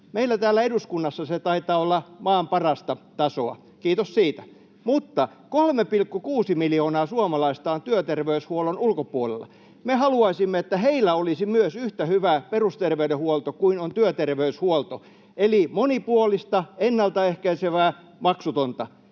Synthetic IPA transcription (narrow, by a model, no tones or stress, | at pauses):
meilːˑæt̪æːlːæeduskunːɑsːɑset̪ɑit̪ˑɑːolːɑmɑːmpɑrɑst̪ɑt̪ɑsoɑ̰ | kiːt̪ossiːt̪æ̥ | mut̪ːɑ | kolmepilkːukuːsimiljoːnɑːsuomɑlɑist̪ɑːnt̪yøt̪erʋeyshuolonulkopuolḛlːˑɑ̰ | mehɑluɑisimːeet̪ːæheilːˑæolisimyøsyht̪æhyʋæperust̪erʋeydehuolt̪okuinont̪yøt̪erʋeyshuolt̪o | elimonipuolist̪ɑenːɑlt̪ɑehkæiseʋæː | mɑksut̪ont̪ɑ